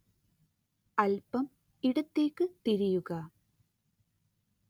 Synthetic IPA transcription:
ɐlpɐm | ɪɽɯt̪ːɪrkɯt̪ɪɾɪjɯɣaː

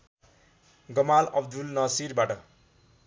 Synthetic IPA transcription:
ɡʌmalʌbd̪ulnʌsirbaʈʌ

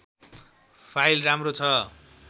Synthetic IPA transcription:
pʰajlramrot͡sʰʌ

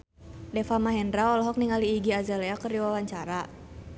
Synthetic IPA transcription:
dɛfamaɦɛndɾaɔlɔɦɔk̚niŋaliːɡiazalɛakərdiwawaɲt͡ʃaɾa

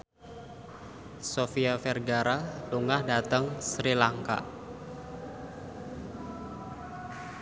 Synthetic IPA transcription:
sofiafɛrɡaɾaluŋahdat̪əŋsɾilaŋka̰

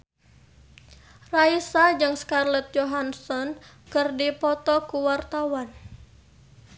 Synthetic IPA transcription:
raisad͡ʒɨŋskarlɛt̪̚d͡ʒɔɦansɔn | kɨrdipɔt̪ɔkuwart̪awan

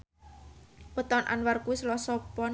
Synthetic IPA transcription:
pət̪ɔnʔa̰nwarkuislɔsɔpɔn

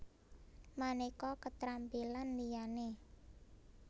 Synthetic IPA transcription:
manekɔkət̪ɾampilanlijane

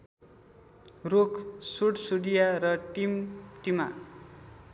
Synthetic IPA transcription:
rokʰsuɽsuɽijaɾʌʈimʈima̰

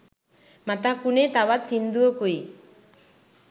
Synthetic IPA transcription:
mat̪akunet̪aβat͡sind̪uokuj

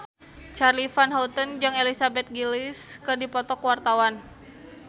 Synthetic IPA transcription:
t͡ʃarlifanɦɔlt̪ənd͡ʒɨŋelisabɛt̪̚ɡiliskɨrdipɔt̪ɔkwart̪awan

